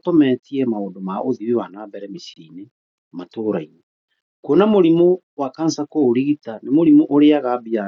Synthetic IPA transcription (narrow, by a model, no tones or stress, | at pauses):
tɔmɛtiɛmaoːdomaʔoðiwiwanaːbɛɾɛmisiɾiːne | matoːɾainɛ | kɔnamoɾimo | wakansakoːɾiɣitanemoɾimoʔoɾeaɣabia